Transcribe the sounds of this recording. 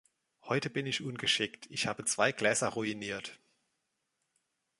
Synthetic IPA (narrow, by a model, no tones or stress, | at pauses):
hɔʏtəbɪnɪçʔʊnɡəʃɪktʰɪçhaːbət͡sv̥aɪɡ̥lɛːzɐʁuiniːɐt